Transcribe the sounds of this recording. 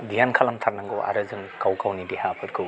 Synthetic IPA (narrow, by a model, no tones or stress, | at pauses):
dijankʰalɐmtʰaɾnaŋɡɯwʔa̰ɾɯzɯŋkawkʰawnidehapʰɯɾkʰɯw